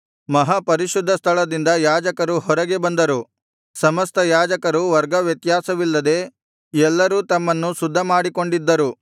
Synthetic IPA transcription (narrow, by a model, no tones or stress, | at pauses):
mɐɦɐpɐɾiʃud̪ʱːɐst̪ʰɐɭɐd̪ind̪ɐjaːd͡ʒɐkɐɾuhɔɾɐɡe̞bɐnd̪ɐɾu | sɐmɐst̪ʰɐjaːd͡ʒɐkɐɾuʋɐɾɡɐʋjɐt̪jaːsɐʋilːɐd̪e̞ | ɛlːɐɾuːt̪ɐmːɐnːusud̪ʱːɐmaːɽiko̞ɳɖid̪ːɐɾu